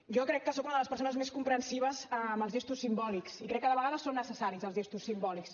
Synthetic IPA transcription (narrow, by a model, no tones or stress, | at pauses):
ʒɔkɾɛkːəsokunəðələspəɾsonəzmeskumpɾənsiβ̞əzəmbəlˠzʒɛst̪usːimbɔliksikɾɛkːəðəβəɣaðəsonːəsəsaɾizəlˠzʒɛst̪usːimbɔliks